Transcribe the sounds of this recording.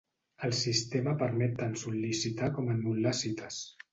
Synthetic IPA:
əlˠsist̪eməpəɾmɛt̪ːansulisit̪akɔmənmullasit̪əs

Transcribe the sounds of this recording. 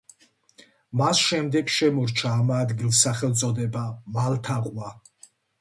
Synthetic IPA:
masʃɛmd̪ɛkʃɛmɔɾt͡ʃʰaːmaːd̪ɡilsaχɛlt̪sʼɔd̪ɛbamalt̪ʰaqʼwa

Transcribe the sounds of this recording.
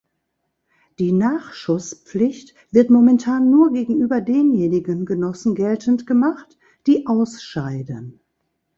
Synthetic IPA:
d̥iːnaːχʃʊspp͡flɪçt | v̥ɪɐtmomɛntʰaːnːuːɐɡeːɡŋ̩ʔyːbɐdeːnjeːnɪɡənɡənɔsn̩ɡɛltəntɡ̥əmaχt | d̥iːʔaʊsʃaɪdən

